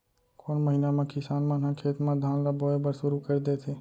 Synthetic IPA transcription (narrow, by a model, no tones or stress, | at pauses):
koːnməɦinamẽkɪsaːnmãnɦãkʰeːt̪mãd̪ʱaːnɾaboebəɾsʊɾukəɾd̪et̪ʰeː